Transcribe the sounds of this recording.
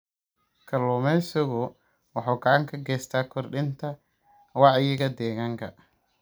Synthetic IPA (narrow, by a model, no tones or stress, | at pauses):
kʰɐlɔːmɛsɔɣɔ | wɑħɑːɡɐʕɑŋkʰɐɡɛːst̪ʰaːkʰɔrɗɪnt̪ʰɐ | wɑʕɪjɪɣɐd̪ɛːɣaːŋkʰɐ